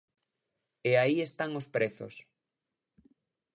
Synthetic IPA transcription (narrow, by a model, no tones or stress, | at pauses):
eaiest̪aŋospɾeθo̰s